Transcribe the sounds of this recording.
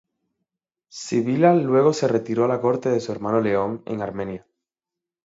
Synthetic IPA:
siβilalwe̞ɣo̞se̞re̞t̪iɾo̞alako̞ɾt̪e̞ðe̞sue̞ɾmãno̞le̞o̞ŋe̞̰ŋaɾmẽ̞nja

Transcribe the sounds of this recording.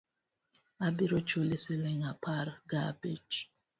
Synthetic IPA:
abiɾot͡ʃoleseleŋapʰaɾɡabet͡ʃ

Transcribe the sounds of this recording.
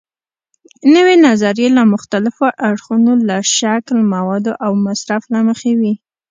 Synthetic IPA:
nəwenazaɾjelamʊxt̪alɪfoʔaɽxunolaʃaklmawɑd̪oʔawmasɾaflaməxewi

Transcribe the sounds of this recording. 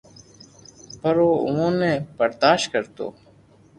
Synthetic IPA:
pəɾoːʊmõːnẽːbəɾd̪aːʃkəɾt̪o̰ː

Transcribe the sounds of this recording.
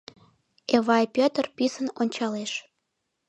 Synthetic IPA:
eβɑjpʲøt̪ərpisənonʲt͡ɕɑleʃ

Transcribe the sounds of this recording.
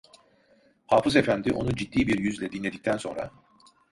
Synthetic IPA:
haːfɯze̞fænd̪iʔo̞nud͡ʒid̪ːiːbiɾjyzlʲɛd̪inlʲe̞d̪ic̚t̪ʰænso̞nɾa̰

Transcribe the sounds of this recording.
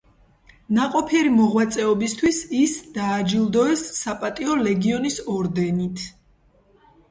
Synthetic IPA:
naqʼɔpʰiɛɾimɔʁwat̪sʼɛɔbist̪ʰwisisd̪̥aːd͡ʒilˠd̪ɔɛsːapʼat̪ʼiɔlɛɡiɔnisɔɾd̪ɛnit̪ʰ

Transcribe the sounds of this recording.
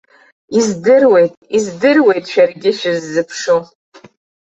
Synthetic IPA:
izdɨrwe̞jtʼizdɨrwe̞jtʼʃᶣarɡʲɪʃᶣɪzːɨpʰʂo

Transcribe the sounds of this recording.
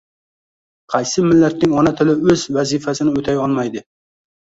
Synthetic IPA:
qʰɑjsɪmɪlːæt̪nɪŋɒnat̪ʰɪlɪɵzvæzifæsɪnɪɵt̪ʰajɒlˠmɑjd̪ɪ

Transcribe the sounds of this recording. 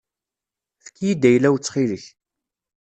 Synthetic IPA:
fə̥kːijid̪ːæjlːæwt͡sːχiləç

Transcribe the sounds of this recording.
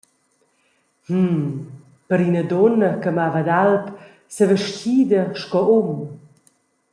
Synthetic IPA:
h̩ | pəɾinəd̪ɔnəkəmavəd̪alt̪ | səvəʃciːd̪əʃkɔom

